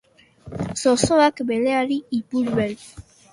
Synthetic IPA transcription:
sosoakbeleaɾiipuɾβel

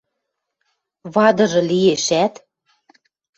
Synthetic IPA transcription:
βɑd̪ɤ̆ʒɤ̆lijeʃæt̪

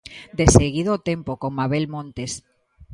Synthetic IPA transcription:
d̪eseɣ̞iðot̪empokoŋmaβelmõnt̪es

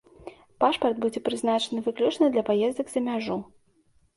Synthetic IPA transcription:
paʂpɐrd̪bud͡zʲɛpɾɨznat͡ʂɐnɨvɨklʲut͡ʂnɐd̪lʲɐpajɛzd̪ɐɡzɐmʲaʐu

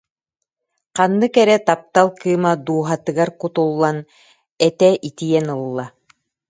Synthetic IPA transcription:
qɑnːɯkɛɾɛt̪ap̚t̪alˠkɯːmad̪uːɦat̪ɯ̆ɡaɾkut̪ulˠːan | ɛt̪ɛʔit̪ijɛnɯlˠːa

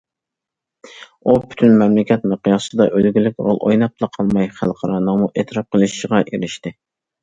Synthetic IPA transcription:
upʰy̥t̪ʰynmɛmlɪkʲʰɛt̪̚mɨqʰijɑsɨd̪ɑʔølɡʲilɪk̚ʲɾo̰lˠʔojnɑp̚t̪ʰˠɑqʰɑlˠmɑjχæ̰lˠqʰɑɾɑːnɨŋmuʔet̪ʰɾɑp̚qʰəlˠɨʃʃʁɑʔeɾɪʃt̪ɪ

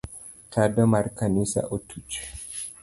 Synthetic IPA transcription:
tʰadɔmaɾkanisa̰ʔɔtʰut͡ʃ

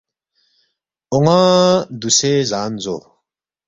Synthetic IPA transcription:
oŋad̪usezaːnzo̰

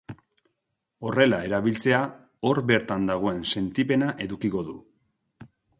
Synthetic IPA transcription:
o̞re̞lae̞ɾaβilt͡se̞a | o̞ɾbe̞ɾt̪and̪aɣ̞o̞e̞nse̞nt̪ipe̞naʔe̞ðukiko̞ðu

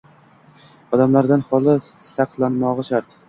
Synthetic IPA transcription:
ɒd̪amlaɾd̪anhɒlˠɪ | sɑqlˠanmɒʁɨʃaɾt̪

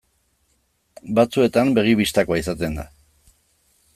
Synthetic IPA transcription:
bat͡sue̞t̪ambe̞ɣ̞iβist̪akoaisat̪e̞nd̪a

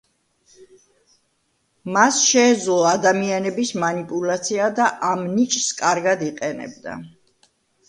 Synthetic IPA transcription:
masʃɛːd̪zlˠɔad̪amianɛbismanipʼulat̪sʰiad̪aʔamnit͡ʃʼskʼaɾɡad̪iqʼɛnɛ̰bd̪a̰

